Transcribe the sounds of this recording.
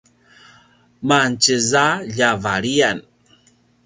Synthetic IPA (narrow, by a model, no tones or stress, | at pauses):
mant͡ɕəzaʎavaɾian